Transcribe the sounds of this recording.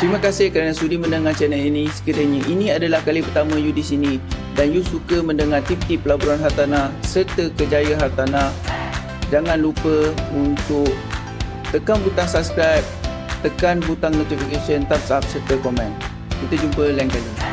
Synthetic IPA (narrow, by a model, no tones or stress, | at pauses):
t̪ɾimãkasɪhkɾanãsudimə̃ndəŋat͡ʃɛnainĩsə̥kəd̪əɲəʔinĩadalahkalipərt̪amə̃judɪsinĩdanjusukəmə̃ndəŋart̪ip̚t̪ipəlabuɾanɦart̪anahsərt̪əkəd͡ʒajaɦar̚t̪anah | d͡ʒaŋãnlupəunt̪ʊk̚ | t̪əkanbut̪aŋsabskɾajp̚ | t̪əkanbut̪aŋnut̪ifikeʃənt̪apsap̚sərt̪əkɔmɛ̃n | kit̪əd͡ʒumpəlainkani